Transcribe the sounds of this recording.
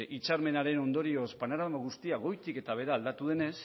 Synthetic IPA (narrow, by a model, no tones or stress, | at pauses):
ʔit͡ʃaɾme̞naɾe̞no̞nd̪o̞ɾio̞spanaɾamaɣust̪iaɣ̞o̞jt̪ike̞t̪aβ̞e̞ɾaːld̪at̪uð̞e̞ne̞s